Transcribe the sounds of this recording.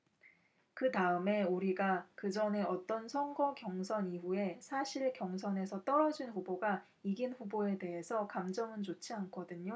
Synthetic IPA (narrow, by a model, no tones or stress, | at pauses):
kɯtaɯme̞uɾiɡakɯd͡ʑʌne̞ʌt͈ʌnsʰʌnɡʌkjʌŋsʰʌniɸue̞sʰaɕʰiɭkjʌŋsʰʌne̞sʰʌt͈ʌɾʌd͡ʑinɸuboɡa | iɡinɸuboe̞de̞ɦe̞sʰʌkamd͡ʑʌmɯnt͡ɕot͡ɕʰiankʰʌdɯɲo